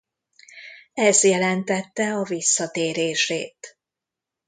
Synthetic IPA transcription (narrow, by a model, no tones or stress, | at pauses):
ɛzjɛlɛnt̪ɛt̪ːɛɒvisːɒt̪eːɾeːʃeːt̪